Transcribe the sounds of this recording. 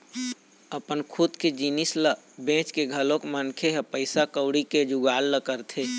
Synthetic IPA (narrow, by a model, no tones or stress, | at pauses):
əpənkʰʊt̪ked͡ʒinɪsləbẽːt͡ʃkeɡʱəlõkmənkʰeɦɛpəɪsakəʊɽiked͡ʒʊɡaːlːəkəɾt̪ʰeː